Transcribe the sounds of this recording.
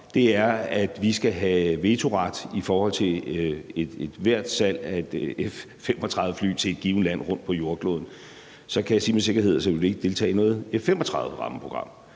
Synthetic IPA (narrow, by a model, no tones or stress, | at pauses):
d̥e̝æɐæd̥ʋisɡ̥æɦæʋe̝ːt͡sʰo̝ʁɑd̥ifɒːhɒ̽l̰t͡sʰe̝e̥ed̥ʋæɐ̰d̥sæl̰æe̝d̥efː | em̰ɒt͡sʰʁɑ̈ððˠəfly̰ːt͡sʰe̝e̝d̥̚ɡ̥iːʊn̩læn̰ʁɔ̽n̰d̥pʰɒ̽jo̝ɐɡ̥lo̰ːð̞ˠn̩ | sɒ̽kʰæjasḭːmese̝ɡ̥ɐe̝ð̰ˠseølie̝ɡ̥əd̥e̝lt͡sʰɛ̰ːɪnɔ̽ːð̩ˠefːemɒ̽t͡sʰʁɑ̈ðˠðˠəʁɑ̈məpʰʁo̝ɡ̥ʁɑ̈m̰